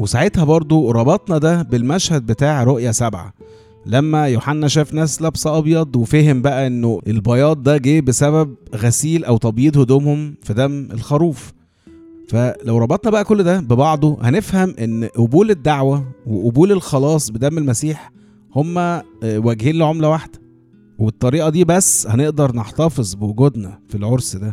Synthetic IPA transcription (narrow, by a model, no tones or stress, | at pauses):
wesaʕet̪hæbɑɾˤd̪ˤoɾˤɑbɑt̪ˤnɑd̪æbelmæʃhæd̪̚bet̪aːʕɾˤoʔjæsæbʕa̰ | læmːæjoħanːæʃæːfnæːslæbsʔɑbjɑd̪ˤwefæhembæʔæʔenːoʔelbɑjɑːt̪̚d̪æɡeːbesæβæb̚ɣæsiːlʔæwt̪ˤɑbjiːd̪ˤhod̪oːmhomfid̪æmelxɑɾˤuːf | fælæwɾˤɑbɑt̪ˤnɑbæʔækolːd̪æbebɑʕd̪ˤohænefhæmʔenːʔobuːled̪ːaʕwæweʔobuːlelxɑlɑːsˤbed̪æmːelmæsiːħ | homːæ | wæɡhiːnleʕomlæwaħd̪̥æ̥ | webet̪ˤːɑɾiːʔɑd̪iːbæsːhæneʔd̪ɑɾˤneħt̪ɑfezˤbewoɡod̪næfilʕoɾsd̪æ